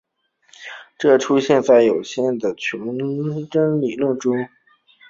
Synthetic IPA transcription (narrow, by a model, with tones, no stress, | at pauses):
ʈ͡ʂɤ˥˩ʈ͡ʂʰu˥ɕjɛ˥˧nt͡sa˥˩ɪjo˨˩ʊɕjɛ˥˩nd̪ə˩t͡ɕʰʊ˧˥ŋʈ͡ʂə˥ŋli˨˩lwə˥˩nʈ͡ʂʊ˥ŋ